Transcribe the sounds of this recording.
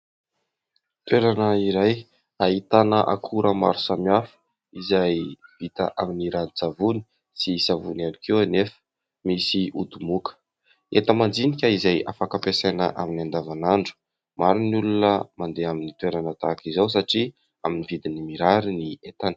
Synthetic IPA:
t̪weɾanəiɾaj | aɦit̪anəʔa̰kʰuɾʔəma̰ɾusamiafə̥ | izajv̥it̪ə̰ʔaminiɾanit͡savuni̥ | sisavunanikewanefə̥ | misiud̪umukə̥ | et̪əmand͡zinikʲəizajafakapesajnə̰ʔa̰minand̪avanaɳɖ͡ʐu̥ | maɾinulunəmand̪eaminit̪weɾanət̪akizaws̬aʈ͡ʂi | aminivid̪inimiɾaɾiniet̪anə̥

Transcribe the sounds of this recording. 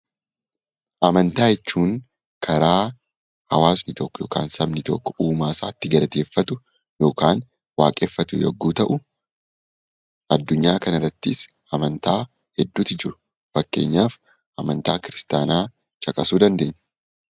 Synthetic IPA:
ʔɐmɐnt̪aːjɛt͡ʃːuːŋ | kʰɐɾaː | hɐwaːsnɪt̪ɔkːjo̞ːka̰ːnsɐmnɪt̪ɔkːɔ̥ʔuːmaːsaːt̪ːɪɡɐlɐt̪e̞ːfːɐt̪ʊ | jo̞ːkaːn | wa̰ːkʼeːfːɐt̪ʊjɐ̰ɡːuːt̪ɐʔʊ | ʔɐd̪ːʊɲːaːkɐnɐrːɐt̪ːɪs | ɐmɐnt̪aː | hɛd̪ːuːt̪ɪd͡ʒɪɾʊ̥ | fɐkːe̞ːɲːaːf | ʔɐmɐnt̪aːkɪɾɪst̪aːnaː | t͡ʃʼɐkʼɐsuːd̪ɐnd̪e̞ːɲː

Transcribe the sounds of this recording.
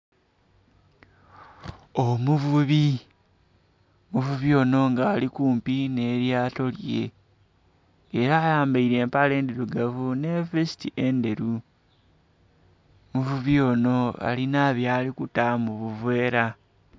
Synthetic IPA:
o̞muvuβi | muvuβio̞no̞ŋɡaːlikuːmpine̞ːɾjaːto̞lje̞̰ | ɾaːjaːmbaiɾe̞ːmpale̞ːndeɾuɡavune̞vesi̥tiʔe̞nde̞ɾu | muvuβio̞no̞a̰linaβjaːlikutamuβuvwe̞ːɾa

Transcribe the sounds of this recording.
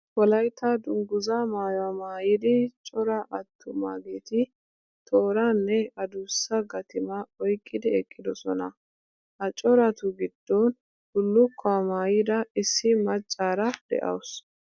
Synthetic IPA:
wɔlɐjt̪ɐd̪ʊŋɡʊzaːmaːjɔwaːmaːjɪd̪ɪt͡ʃʼɔɾɐʔɐt̪ːʊmaːɡeːt̪ɪ | t̪ʰoːɾanːɛɐd̪ʊsːɐɡɐt̪ɪmaɔjkʼːɪd̪ɪɛkʼːɪd̪ɔsɔnɐ | hɐt͡ʃʼɔɾɐt̪ʊɡɪd̪̥ːon | d̪ʊlːʊkʰːɔwamaːjɪd̪ɐɪsːɪmɐt͡ʃʼːaːɾɐd̪̥ɛ̰ʔɐ̰wʊs

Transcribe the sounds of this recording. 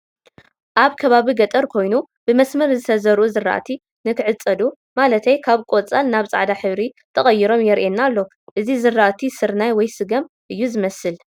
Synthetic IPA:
ʔaβkʰɐβaβiɡɐt̪ʼɐɾkʰo̞jnu | b̥ɨmɐsmɐɾzɨt̪ʰɐzɐɾuzɨra̰ʔt̪ʰi | nɨkʰɨʕɨt͡sʼːɐd̪u | malɐt̪ʰɐjkʰaβkʼo̞t͡sʼalnaβt͡sʼa̰ʕd̪aħɨβɾi | t̪ʰɐχʼɐjːiɾo̞mjɛɾʔenːalːo̞ | ʔɨzizɨɾːaʔt̪ʰisɨɾnajwɔjsɨɡɐm | ʔɨjːuzɨmɐsɨl

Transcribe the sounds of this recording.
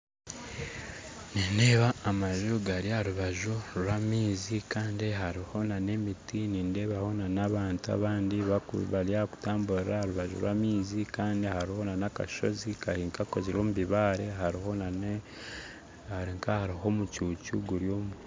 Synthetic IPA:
ninde̞ːβaːmaʒuɡaɾiaɾuβaʒuɾwamiːzikaːndiɦaɾiho̞nane̞mitiniːnde̞ːβaho̞nanaβaːntua̰βaːndiβakuβaɾjaku̥taːmbuɾeɾahaɾuβaʒṵɾwamiːzikaːndihaɾiho̞nanaka̰ʃo̞̰zikahiːŋkakoziɾoːmuβiβaːɾeɦaɾiho̞nan | haɾiŋkahaɾiɦo̞mucuːcuɡuɾjo̞ːm

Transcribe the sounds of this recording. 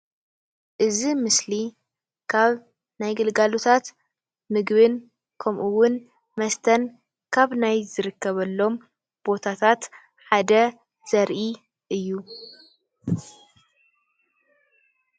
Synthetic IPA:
ʔɨzimɨsli | kʰaβ | najɡɨlɡalot̪ʰat̪ | mɨɡβɨn | kʰɐmʔuwʊn | mɐst̪ʰɐn | kʰaβnajzɨɾɨkʰːɐβɐlːo̞m | b̥o̞t̪ʰat̪ʰat̪ | ħad̪ɐ | z̥ɐɾʔi | ʔɨjːu

